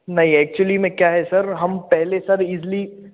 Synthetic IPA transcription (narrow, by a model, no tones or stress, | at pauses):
nɐɦĩɛːk̚t͡ʃʊlimẽkjaːɦɛsɐɾɦɐmpɛɦlesɐɾizli